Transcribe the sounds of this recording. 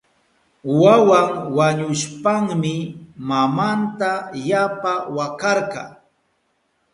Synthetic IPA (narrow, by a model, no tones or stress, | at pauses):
wawaŋwaɲʊʃpaŋmɪmamant̪ajapawakɑɾqɑ̰